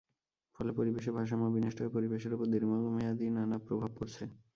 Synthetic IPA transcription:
fɔlepoɾibeʃ̬ebʱaʃ̬amobineʃʈoepoɾibeʃ̬eɾupoɾd̪iɾmaɡomejad̪inanapɾobʱab̚koɾt͡ɕʰe

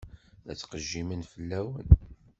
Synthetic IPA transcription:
æ̰t͡sːqəʒːimənfəlːæwən

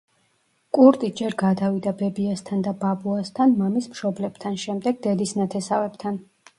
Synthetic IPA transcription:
kʼuɾt̪ʼid͡ʒɛɾɡad̪avid̪abɛbiast̪ʰand̪ababuast̪ʰanmamismʃɔblɛb̚t̪ʰanʃɛmd̪ɛɡ̚d̪ɛd̪isnat̪ʰɛsavɛbt̪ʰan

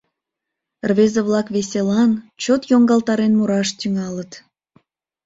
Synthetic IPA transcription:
rβezəβlɑkβesʲelɑnt͡ɕot̪joŋɡɑlt̪ɑɾenmuɾɑʃt̪yŋɑlət̪

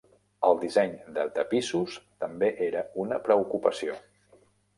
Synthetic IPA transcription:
əlˠd̪izɛɲd̪ət̪əpisust̪əmbeʔeɾəunəpɾəukupəsio

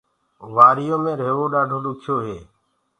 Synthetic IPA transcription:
ʋaːɾɪjõːmẽːɾeːʋoːɗaːɖʱoːɗʊkʰjoːɦeː

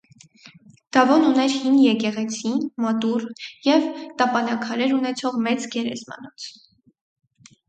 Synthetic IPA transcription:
d̪̥ɑvɔnunɛɾhinjɛkɛʁɛt͡sʰimɑt̪urjɛvt̪ɑpɑnɑkʰɑɾɛɾunɛt͡sʰɔʁmɛt͡sɡɛɾɛ̰zmɑ̰nɔt͡sʰ

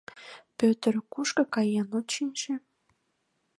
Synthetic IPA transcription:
pøt̪ərkuʃkə̆kɑjenot͡ɕinʲʃĕ

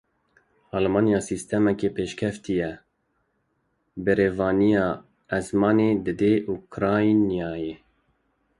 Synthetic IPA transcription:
ɑːlmɑːnjɑːsist̪ʰɛmɛkeːpʰeːʃkʰɛft̪ijɛ | bɨɾeːvɑːnijɑː | ɛzmɑːneːd̪ɨd̪eʔukʰɾɑːjnijɑːje

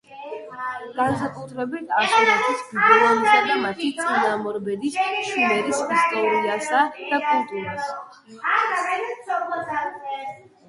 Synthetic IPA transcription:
ɡ̥ansakʼut̪ʰɾɛbit̪ʼasɛɾisbʰɛɔmisad̪amat̪ʰit̪sʼinamɔɾbɛd̪isʃimɛɾisist̪ʼɔɾiasad̪̥akʼult̪ʼuɾas

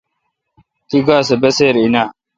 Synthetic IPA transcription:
t̪iɡaːsebɐseːɾinaː

